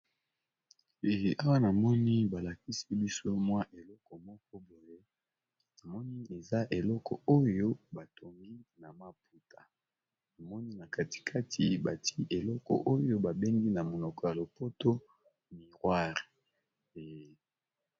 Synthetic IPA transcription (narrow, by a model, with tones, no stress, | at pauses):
e˨a˦wa˦na˨mɔ˦ni˦ba˨la˨ki˦si˦bi˦so˦mwa˦ʔe˨lɔ˦kɔ˨mɔ˦k̚ɔ˦bo˨je˦ | na˨mɔ˦ni˦e˨za˦ʔe˨lɔ˦kɔ̰˨o˦jo˦ba˨tʰo˨ŋɡi˦na˨ma˦p̚u˨tʰa˨ | na˨mɔ˦ni˦na˨kʰa˨ti̥˨kʰa˦tʰi˨ba˨ti˦ʔe˨lɔ˦kɔ̰˨ʔo˦jo˦ba˨be˦ŋɡi˦na˨mo˨nɔ˨kɔ˨ja˨lo˨po˦to˦ | mi˨ʁwa˦ʁe˨